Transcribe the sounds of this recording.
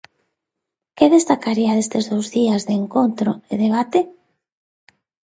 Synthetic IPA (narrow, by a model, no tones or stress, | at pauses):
keðest̪akaɾiaðest̪ezðowzðiazðeːŋkont̪ɾoeðeβ̞at̪e